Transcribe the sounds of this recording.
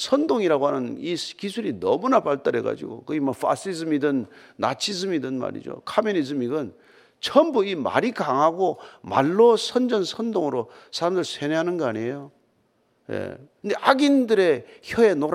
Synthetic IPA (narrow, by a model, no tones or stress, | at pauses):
sʰʌndoŋiɾaɡohanɯniskisʰuɾinʌ̰munapaɭt͈aɾeɡa̰d͡ʑḭɡo̰kɯɡimʌfʰa̰s͈izɯmidɯnːa̰t͡ɕʰisɯmidɯnma̰ɾḭd͡ʑo̰kʰamjonizɯmiɡɯn | t͡ɕʰʌmbuima̰ɾikaŋɦaɡoma̰ɭːosʰʌnd͡ʑʌnsʰʌndoŋɯɾo | sʰaɾamdɯɭsʰeneɦanɯnɡʌaɲiejo | jḛkʰɯnde̞ʔaɡindɯɾe̞çʌe̞noɾ